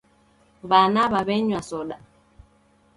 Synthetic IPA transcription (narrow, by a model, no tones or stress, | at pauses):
βanaβaβɛɲwasɔɗa